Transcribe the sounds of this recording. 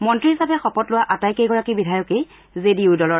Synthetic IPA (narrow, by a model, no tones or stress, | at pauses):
mɔntɹiɦisapɛxɔpɔtlʊwaʔatajkejɡɔɹakibidʱajɔkej | zediʊdɔlɔ